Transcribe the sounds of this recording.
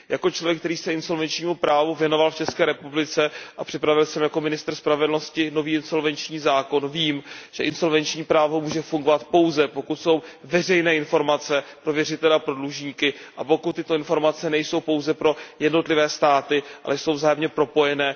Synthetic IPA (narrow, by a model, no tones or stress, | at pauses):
jakot͡ʃlo̞vjɛk̚t̪ɛɾiːsɛʔɪnso̞lvɛnt͡ʃɲiːmupɾaːvuvjɛno̞valft͡ʃɛskɛːɾɛpublɪt͡sɛʔapr̥ɪpɾavɪlsɛmjako̞mɪnɪst̪r̩spɾavɛdlno̞scɪno̞viːɪnso̞lvɛnt͡ʃɲiːzaːko̞nviːmʒ̥ɛʔɪnso̞lvɛnt͡ʃɲiːpɾaːvo̞muːʒɛfuŋɡovat̪po̞wzɛpo̞kut̪so̞wvɛr̝ɛjnɛːɪnfo̞ɾmat͡sɛpɾo̞vjɛrɪt̪ɛlɛapɾo̞dluʒɲiːkɪʔapo̞kut̪ːɪt̪o̞ɪnfo̞ɾmat͡sɛnɛjso̞wpo̞wzɛpɾo̞jɛdno̞t̪lɪvɛːst̪aːt̪ɪʔa̰lʔɛjsowvzaːjɛmɲɛpɾo̞po̞jɛnɛː